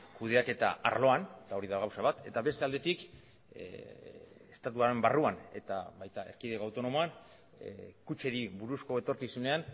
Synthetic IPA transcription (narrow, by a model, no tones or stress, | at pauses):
kuð̞e̞ake̞t̪a̰a̰ɾlo̞anet̪ao̞ɾiðaɣ̞awsaβ̞at̪e̞̰t̪aβe̞st̪e̞ald̪e̞t̪ik | est̪at̪uaɾe̞mbaruane̞t̪a̰βajt̪ae̞ɾkiðekoawt̪o̞no̞mo̞an | kut͡ʃe̞ɾiβuɾusko̞e̞t̪o̞ɾkisune̞an